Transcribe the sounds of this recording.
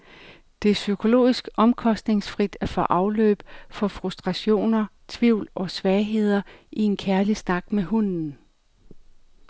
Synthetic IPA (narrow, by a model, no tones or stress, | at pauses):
d̥e̝æɐsykʰo̝lo̝̰ːisɡ̥ɒ̽mkʰɒ̽sd̥ne̝ŋsfʁid̥æɐfɒ̽ʔɑ̈ʊlø̰ːb̥fɒ̽fʁusd̥ʁɑ̈ɕo̝̰ːnɐt͡sʰʋiʊ̰lɒ̽sʋɛːɦe̝ð̞̰ˠɐʔie̝nkʰæɐlisnɑ̈ɡ̥meɦun̰n̩